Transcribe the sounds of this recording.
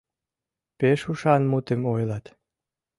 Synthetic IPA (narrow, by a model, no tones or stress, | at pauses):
peʃuʃɑnmut̪emojlɑt̪